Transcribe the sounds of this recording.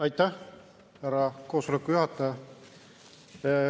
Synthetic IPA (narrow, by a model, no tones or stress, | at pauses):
ɑjt̪ːæ | hæɾɑkoːsolekːˑujuhɑt̪ːˑæ